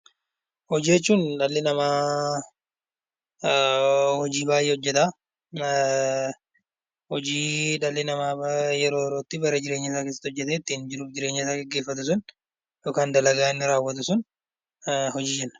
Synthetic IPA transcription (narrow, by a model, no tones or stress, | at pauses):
hɔd͡ʒːɛt͡ʃːuːnᶑɐlːɪnɐmaː | hɔd͡ʒiːbaːjʔɛɔd͡ʒːɛt̪aː | hɔd͡ʒiːᶑɐlːɪnɐmaːjɛɾoːjɛɾo̞ːt̪ːɪbɐɾɐd͡ʒɪɾe̞ːɲːɪsaːke̞ːsːɐt̪ːɔd͡ʒːɛt̪ɛt̪ːɪnd͡ʒɪɾʊd͡ʒɪɾe̞ːɲːɪsaːɡɛɡːe̞ːfːɐt̪ʊs̬ʊn | joːkaːnd̪ɐlɐɡaːɪnːɪɾaːwːɐt̪ʊsʊn | hɔd͡ʒiːd͡ʒɛnːɐ̥